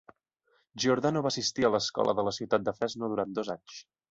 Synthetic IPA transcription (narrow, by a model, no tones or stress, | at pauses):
ʒiuɾðanoβaːsist̪iələskɔ̰lʔə̰ðələsiwt̪at̪̚d̪əfɾɛznoðuɾan̚d̪ozaɲs